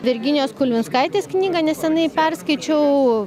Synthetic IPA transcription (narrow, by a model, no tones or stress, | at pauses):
ʋʲɪɾʲɡʲɪnʲjoːskʊlʲʋʲɪnskɐɪt̪ʲeːsknʲiːɡɑnʲɛssʲɛnɐɪpʲɛrskɐɪt͡ʃʲɛʊ